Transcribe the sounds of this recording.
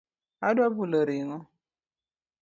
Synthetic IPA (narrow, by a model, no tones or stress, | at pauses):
adwabuləɾiŋɔ